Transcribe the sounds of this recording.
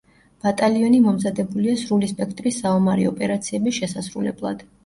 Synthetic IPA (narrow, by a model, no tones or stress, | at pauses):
b̥at̪ʼaliɔnimɔmzad̪ɛbuliasɾulispʼɛkʰt̪ʼɾisaɔmaɾḭɔpʼɛɾat̪sʰiɛbisʃɛsasɾulɛ̰blˠa̰d̪̥